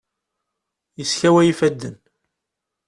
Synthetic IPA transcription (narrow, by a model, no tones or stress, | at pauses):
jəsçæwæjifæd̪ːən